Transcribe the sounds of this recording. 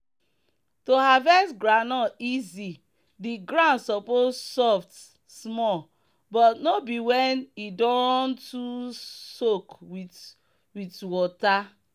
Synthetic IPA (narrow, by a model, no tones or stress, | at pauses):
tohavɛsɡɹãnɔizi | diɡɹãnsɔpozsɔft | smɔl | bɔtnobiwɛnidɔ̃ntusokwit | witwɔta